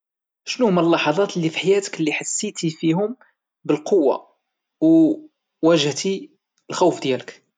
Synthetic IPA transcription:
ʃnuhʊmælːɑħɑd̪ˤɑt̪əlːifiħajæt̪ə̥klːiħasːit̪ifihʊm | bəlqowːa̰ | w | wæʒəht̪i | əlxuwfd̪jælək

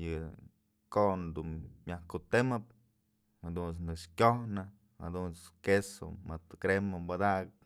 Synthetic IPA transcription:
jɨ | koʔnd̪unmʲjahkut̪emɨp̚ | had̪unt͡snɨkʂkʲohnɨ | ha̰d̪unt͡skeso̰mɨt̪kɾemɨmbad̪aɡɨp

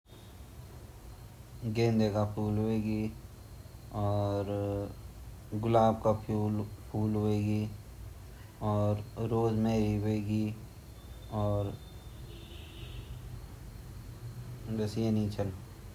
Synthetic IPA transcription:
ɡẽːnd̪ekapʰuːlɦoeːɡi | ɔːɾ | ɡʊlaːb̚kapʰulpʰuːlɦoeːɡi | ɔːɾːoːzmẽɾiɦʊeɡi | ɔːɾ | bəsienit͡ʃʰəl

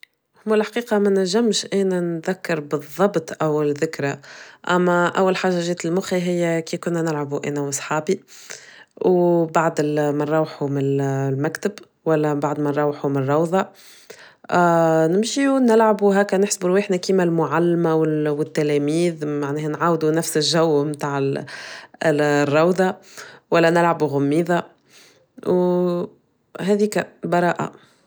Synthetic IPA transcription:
hʊmːælħqiːqɑmænæʒːæmʃʔæːnænðækːɑɾˤbɨðˤːɑbt̪ˤʔæwːlðɪkɾaʔæmːæʔæwːælħaːʒːaʒɛːt̪ɪlmʊxiɦɪjːækiːkʊnːænɪlʕabuʔæ̰ːnæwsˤħɑːbi | wbaʕd̪mænɾˤɑwħumɪllmækt̪ɪb | wælːæbaʕd̪mænɾˤɑwħumɪnrˤːɑwðˤɑ | nɪmʃiunɪlʕabuɦæːkːænɪħsbuɾwiħnækiːmælmʊʕalːmæwɪwɪt̪ːælɛmiːðmaʕnɛːhænʕaːwd̪unæfsɪlʒæwːmt̪aːʕ | rˤːɑwðˤɑwælːænɪlʕabuɣʊmːiːðɑ | w | ɦɛðiːkæbɑɾˤɑːʔa̰

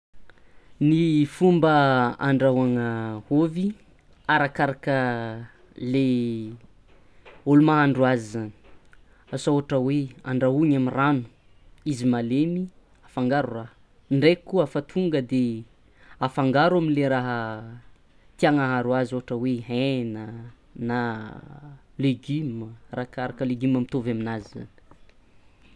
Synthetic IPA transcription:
nifumbəa̰ɳɖ͡ʐaɦaŋəhovi | aɾakaɾakə | le | olumaɦaɳɖ͡ʐuazizani̥ | asaoaʈ͡ʂəwea̰ɳɖ͡ʐaɦuɲamiranu̥ | izimalemi | afaŋɡaɾuraɦə | ɳɖ͡ʐekuafat̪ʰuŋɡəd̪e | afaŋɡaɾaminleɾaɦə | t̪iaŋaɦaɾwazoʈ͡ʂəweɦena | na | leɡimərakaɾakəleɡimamit̪ovaminazza̰ni̥

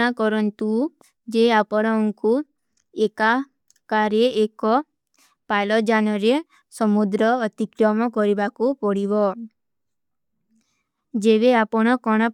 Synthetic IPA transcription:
akɔɾɔnt̪u | d͡ʒeapɔɽ̃ɔŋku | eka | kaɾeʔekɔ | pajlɔd͡ʒanɔɾe | sɔmud̪ɾɔːt̪ikɾɔmɔkɔɾibakupɔɽiβɔ | d͡ʒeβeapɔɽ̃ɔkɔɽ̃ɔ

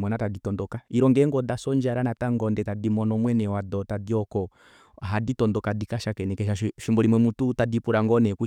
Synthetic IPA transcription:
mɔnataditɔndɔkaiɾɔŋɡɛŋɡɔdasɔɲd͡ʒaɾanataŋɡɔndɛtadimɔnɔmwɛnɛwadɔtadiɔkɔ | ɦaditɔndɔkadikaʃakɛnɛkɛʃaʃʃimbɔɾimwɛmututadipuɾaŋɡɔnɛku

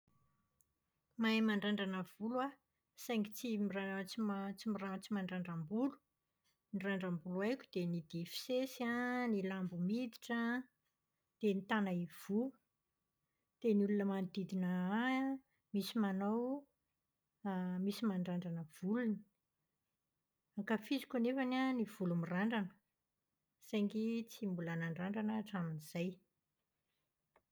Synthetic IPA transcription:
majmaɳɖ͡ʐaɳɖ͡ʐanəv̥ulwa | sajŋɡit͡simirat͡simt͡simirat͡simaɳɖ͡ʐaɳɖ͡ʐambulu̥ | niraɳɖ͡ʐambulajkʲu̥d̪̥enid̪̥efi̥sesianilambumid̪i̥ʈ͡ʂə | d̪̥enit̪anaiv̥u | d̪̥eniulunəmand̪id̪inəa | misimanaw | misimaɳɖ͡ʐaɳɖ͡ʐanəv̥uluni̥ | aŋkafizi̥kʲunefananiv̥ulumiraɳɖ͡ʐanə̥ | sajŋɡit͡simbulanaɳɖ͡ʐaɳɖ͡ʐanəʈ͡ʂaminiz̥aj

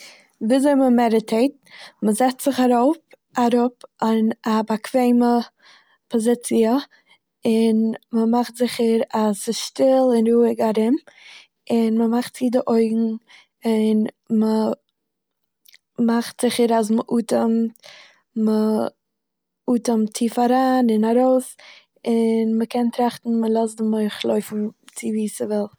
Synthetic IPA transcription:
viːzoɪməmɛɾətʰeɪt̚ | məzɛt͡stz̥ɪχaɾoʊp | aɾʊpanabakʰv̥eɪmə | pʰɔzɪt͡siə | ɪnməmaχtz̥ɪχəɾasɪsʃtɪlˠɪnɾuːɪɡaɾɪm | ɪnməmaχtsiːdəʔoɪɡŋ̩ | ɪn | mə | maχtz̥ɪχəɾas̬məʔuːtəmt | mə | uːtəmtʰːiːfaɾaːnɪnaɾoʊs | ɪnməkʰɛntɾaχtn̩məlˠɔs̬dɪmoɪχlˠoɪfn̩t͡sɪviːsəvɪlˠ

